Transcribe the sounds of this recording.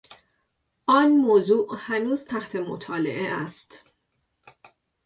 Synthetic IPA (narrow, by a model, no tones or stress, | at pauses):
ʔɒːnmoːzuːʔhænuːz̥t̪ʰæht̪ʰe̞mo̰t̪ʰɒːlḛʔeʔæst̪